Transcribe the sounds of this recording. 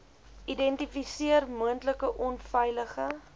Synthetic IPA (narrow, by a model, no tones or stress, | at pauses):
ʔidɛntifisiərmuəntləkəʔɔnfɛjləχə